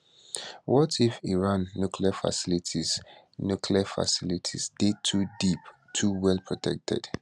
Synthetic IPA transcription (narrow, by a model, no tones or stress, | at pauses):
wɔtifiɹãnːukʰliafa̰silitʰiz | nukʰliafa̰silitʰḭsd̥etʰudip | tʰuwɛlpʰɹɔtʰɛk̚tʰɛ̰d̥